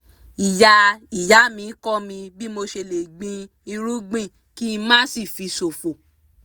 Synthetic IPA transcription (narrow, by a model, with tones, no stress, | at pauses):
i˨ja˧i˨ja˨˦mĩ˧˦kɔ˦mĩ˧bi˦mo˧ʃe˧˨le˨ɡ͡bĩ˧ | i˧ɾu˦ɡ͡bĩ˦˨ | ki˦˧mã˦si˦˨fi˨˧so˨fo˨